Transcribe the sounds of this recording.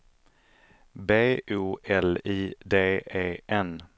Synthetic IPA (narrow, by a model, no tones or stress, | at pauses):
beːʔuːʔɛliːd̪eːeːɛn